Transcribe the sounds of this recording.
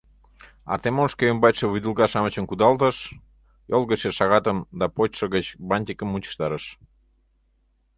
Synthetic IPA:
ɑ̰t̪emonʃkeəmbɑt̪ʲʃeβud̪ulɣɑʃɑmət͡ɕə̆nkud̪ɑlt̪əʃ | jolˠɣəʃeʃɑɣɑt̪əmd̪ɑpot͡ɕʃəɣət͡ɕbɑnʲt̪ʲikəmːut͡ɕə̥ʃt̪ɑɾəʃ

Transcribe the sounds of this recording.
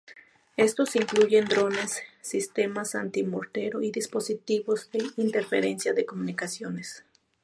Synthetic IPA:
e̞st̪osiŋkluʝe̞nd̪ɾo̞ne̞sːist̪e̞masa̰nt̪imoɾt̪eɾoiðispo̞sit̪iβo̞zðe̞int̪eɾfeɾensjaðekomunikasjones

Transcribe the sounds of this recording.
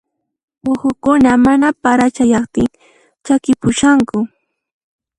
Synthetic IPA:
ʊhʊkʊnamanapaɾat͡ʃajɑχt̪ɪŋ | t͡ʃakɪpʊʃaŋkʊ

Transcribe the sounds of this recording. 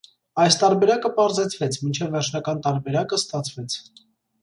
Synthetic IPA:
ɑjst̪ɑɾbɛɾɑkəpɑɾzɛt͡sʰvɛt͡sʰmint͡ʃʰɛvːɛɾt͡ʃʰnɑkɑnt̪ɑɾbɛɾɑkəst̪ɑt͡sʰvɛt͡sʰ

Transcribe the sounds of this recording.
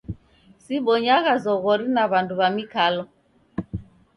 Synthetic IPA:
siɓɔɲaɣazɔɣɔɾinaβanduβamikalɔ

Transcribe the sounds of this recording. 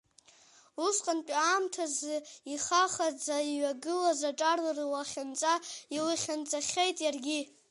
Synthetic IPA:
usqʼantʷʼaːmtʰazɨiχaχad͡zaiɥaɡɨlazaʈ͡ʂʼarlarɨwaχʲant͡sʼailɨχʲant͡sʼaχʲejtʼjarɡʲi

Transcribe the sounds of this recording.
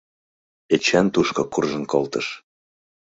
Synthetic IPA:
et͡ɕænt̪uʃkokurʒənkolt̪əʃ

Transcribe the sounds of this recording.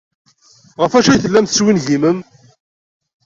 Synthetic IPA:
ʁəfæʃæjθəlːæmθəswinʝiməm

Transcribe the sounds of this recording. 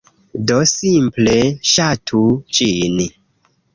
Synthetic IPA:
dosimpleʃatʰut͡ʃini

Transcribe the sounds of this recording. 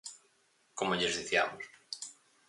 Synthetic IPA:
komoʎezðiθja̰mos

